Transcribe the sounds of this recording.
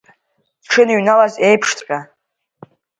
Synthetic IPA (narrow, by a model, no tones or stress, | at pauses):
d̥ʈ͡ʂʰɨniɥnalaze̞jpʰʂtʰʼkʼa